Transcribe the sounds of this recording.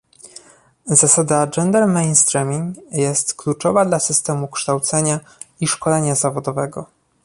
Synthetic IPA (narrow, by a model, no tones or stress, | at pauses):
zasad̪ad͡ʐɛnd̪ɛɾmɛjnst̪ɾɛmʲiŋɡjɛst̪klut͡ʂɔvad̪lasɘst̪ɛmukʂt̪awt̪sɛɲa | iʂkɔlɛɲazavɔd̪ɔvɛɡɔ